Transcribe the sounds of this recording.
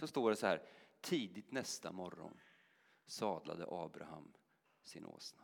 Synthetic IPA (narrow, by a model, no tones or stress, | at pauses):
sɔst̪oːɖɛsɔhæːɾt̪ʰiːd̪ɪt̪nɛst̪amɔɾːɔ̰n | sɑːd̪la̰d̪əʔɑːbɾaham | sɪnʔo̰ːsna